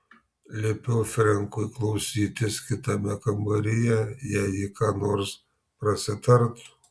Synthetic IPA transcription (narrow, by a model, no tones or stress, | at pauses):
lʲeːpʲɛʊfʲɾʲɛŋkʊɪklˠɒʊsʲiːt̪ʲɪskʲɪt̪ɐmʲɛkɐmbɐɾʲɪjɛjæːjɪkɑːnoːɾs | pɾɐsʲɪt̪ɐɾt̪